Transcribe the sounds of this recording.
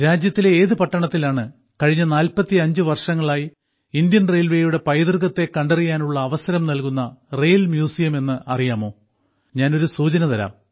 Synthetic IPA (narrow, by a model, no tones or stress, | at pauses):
ɾaːd͡ʑjɐt̪ːileeːðɨpɐʈːɐɳɐt̪ːilaːɳɨ | kɐɻiɲːɐnaːlpɐt̪ːiɐɲd͡ʑɨʋɐrʂɐŋːɐɭaːji | ind̪jɐnrejlʋe̞ːjuɽe̞pɐjd̪ɨrɣɐt̪ːe̞kːɐɳɖerikːaːnuɭːɐːʋɐsɐɾɐmnɐlkunːɐrejlmjuːsijɐme̞nːɨʔɐrijaːmo̞ː | ɲaːno̞ɾusuːt͡ɕɐnɐt̪ɐɾa̰m